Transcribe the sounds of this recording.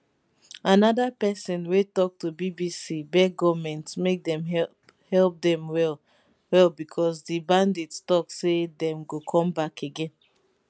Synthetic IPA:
anɔdapɛsɔ̃nwetɔk̚tubibisibɛɡɔvmɛ̃ntmek̚dɛ̃mɛ | hɛlˠp̚dɛ̃mwɛl | wɛlˠbikʰɔsdibãndetstɔksedɛ̃mɡokʰɔ̃mbakʰeɡɛ̃n

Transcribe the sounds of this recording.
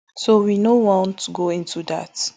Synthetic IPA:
sowinowɔ̃ntʰːuɡoĩntuda̰t

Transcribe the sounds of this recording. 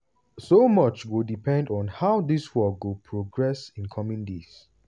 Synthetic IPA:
somʌt͡ʃwidipʰɛ̃ndɔ̃nhaʊðiswɔk̚wupʰɹoɡɹɛsĩnkʰɔmĩndis

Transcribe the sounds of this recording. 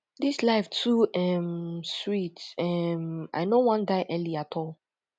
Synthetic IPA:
dislaɪftʰuɛmswitɛma̰ɪnowɔ̃ndaɪʔɛliatʰɔlˠ

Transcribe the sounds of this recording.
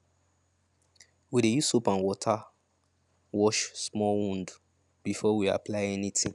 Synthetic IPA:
widejusopãnwɔtʰa | wɔʃsmɔwũnd | b̥ifɔwia̰plaɪɛnĩtʰĩ

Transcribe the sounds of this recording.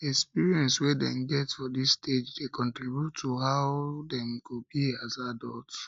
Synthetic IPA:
ɛkspiɹiɛ̃nswɛdɛ̰̃mɡɛtfɔdisted͡ʒdekʰɔ̃ntɹibjutʰːoɦaʊdɛ̃mkobiazadɔlt

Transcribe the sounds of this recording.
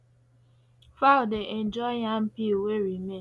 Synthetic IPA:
faldeʔend͡ʒɔɪɦam̩piweɾime

